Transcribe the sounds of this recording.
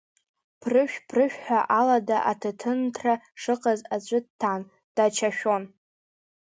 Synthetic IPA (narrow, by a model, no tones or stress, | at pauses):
pʰrɨʃᶣpʰrɨʃᶣħʷᶣaʔaladaʔatʰɨtʰɨntʰraʂɨqʼazat͡ɕʷʼɨdtʰːan | d̥at͡ʃʰaʃʲᶣo̞n